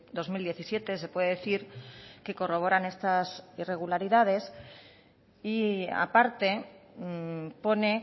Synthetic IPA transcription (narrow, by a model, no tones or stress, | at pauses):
d̪o̞zmild̪je̞θisje̞t̪e̞se̞pwe̞ðeeθiɾke̞ko̞ro̞β̞o̞ɾane̞st̪asire̞ɣ̞ulaɾiðað̞e̞s | ia̰paɾt̪e̞ | po̞ne̞